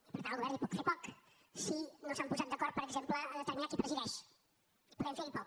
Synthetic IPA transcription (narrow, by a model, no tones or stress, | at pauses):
ipəɾt̪anəlˠɣuβɛrnipɔt̪fepɔk | sinosampuzat̪̚d̪əkɔɾt̪̚pəɾəɡzempləːd̪ət̪əɾminakipɾəziðɛʃ | ipuðɛɱfelipɔk